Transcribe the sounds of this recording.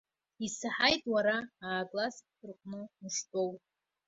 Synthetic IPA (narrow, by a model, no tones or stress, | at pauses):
isaħajtʼwaɾaaːkʼlas | ɨrqʷʼnɨnɨʂtʼo̞w